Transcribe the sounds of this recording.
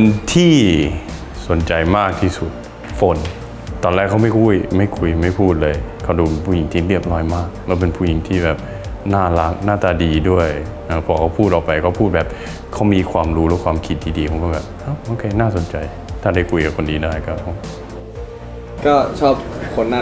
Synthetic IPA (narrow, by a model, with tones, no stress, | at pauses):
o˧nt̪ʰiː˥˩ | so˨˩˦nt͡ɕa˧jmaː˥˩k̚t̪ʰiː˥˩su˨˩t̪̚ | fo˨˦n | t̪ɔː˧nɾɛː˥˩kʰːa˥wma˥˩jkʰu˧˩jma˥˩jkʰu˧jma˥˩jpʰuː˥˩t̪̚lɤː˧jkʰa˥˩duː˧pe˧npʰuː˥˩ji˩˦ŋt̪ʰiː˥˩ɾi˥˩əp̚lɔː˦˥jmaː˥˩k̚lɛː˦˥wp̬e˧npʰuː˥˩ji˩˦ŋt̪ʰiː˥˩bɛː˨˩p̚ | naː˥˩la˦˥k̚naː˥˩t̪aː˧diː˧du˥˩əj | ʔaː˧˩pʰɔː˨˩kʰa˥˩wpʰuː˥˩t̪̚ʔɔː˨˩kpa˧jkɔː˥˩pʰuː˥˩t̪̚bɛː˨˩p̚ | kʰa˦˥˩wmiː˧kʰwaː˧mɾuː˦˥lɛ˦˥kʰwaː˧mkʰi˨˧t̪̚diː˧diː˧pʰkɔː˥˩bɛː˨˩p̚ʔa˧˥˩wʔoː˧kʰeː˧naː˥˩so˩˦nt͡ɕa˧j | t̪ʰaː˥˩daː˥˩jkʰu˧jka˨˩kʰo˧ndiː˧daː˥˩jkɔː˥˩kʰa˧˥˩ | kɔː˥˩t͡ɕʰɔː˥˩p̚kʰo˧nːa˥˧˨